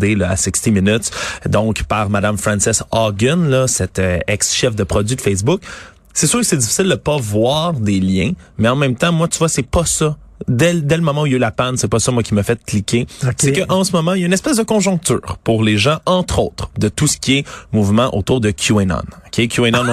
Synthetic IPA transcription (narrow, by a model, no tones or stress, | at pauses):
d̪elɔa̰sɪkst̪iminʏt̪d̪ɔ̃kpaʁmad̪amfʁɑ̃nsɪsɑɡʲɛnlʌsɛt̪øɛksʃɛfd̪əpχɔdzɥid̪fɛs̬bʊk | sɛsøːʁkə̥sɛd͡z̪ifi̥sɪld̪əpʌvwaːʁd̪eljɛ̃mɛɑ̃mɛ̃mt̪ãmwat̪yvwasɛpʌsʌd̪ɛd̪ɛləmɔmãujəlapansɛpʌsɔmwakʲiməfɛt̪̚klikʲʰesɛkəʔɑ̃səmɔmãjynɛspɛsd̪əkɔ̃ʒɔ̃k̚t̪y̰ːʁpuʁleʒãɑ̃t̪χoːt̪χd̪ət̪usə̥kʲiɛmuvmɑ̃ʔo̰t̪uːʁd̪əkʲʰjuɛnɔ̰nɔkʲʰekʲjuɛnɔn